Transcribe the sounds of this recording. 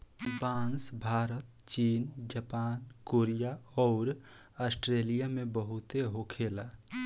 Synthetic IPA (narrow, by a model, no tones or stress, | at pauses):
baːnsbʱaːɾət̪t͡ʃiːnd͡ʒəpaːnkoːɾijaɔːɾ | əsʈɾeːlijamẽbəɦʊt̪eɦokʰeːla